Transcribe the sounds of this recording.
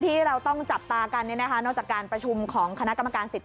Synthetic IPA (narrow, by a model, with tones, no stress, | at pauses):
t̪ʰiː˥˩ɾa˧wt̪ɔ˥˩ŋt͡ɕa˨˩p̚t̪aː˧ka˧nːi˥˩na˦˥kʰa˦˥nɔ˥˩kt͡ɕaː˨˩kːaː˧npɾa˧t͡ɕʰu˧mkʰɔː˩˦ŋkʰa˧na˦˥ʔka˧mːa˧kaː˧nsi˨˩t̪ʰː